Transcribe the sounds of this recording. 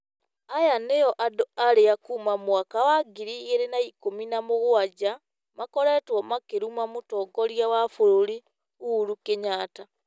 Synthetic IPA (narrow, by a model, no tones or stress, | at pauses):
ajanejɔʔadoaɾeakuːmamwakawaɡiɾiːɣeɾenaikominamoɣwad͡ʒa | makɔɾɛtwɔmakeɾumamotɔːɡɔɾjawafoɾoɾi | uɾukeɲaːta